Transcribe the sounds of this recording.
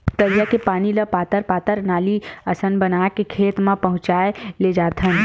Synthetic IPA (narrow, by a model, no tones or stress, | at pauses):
t̪əɾijakepaːniləpaːt̪əɾpaːt̪əɾnaːliəsənbənakekʰeːt̪mãpəɦʊ̃t͡ʃaːeled͡ʒaːt̪ʰɦən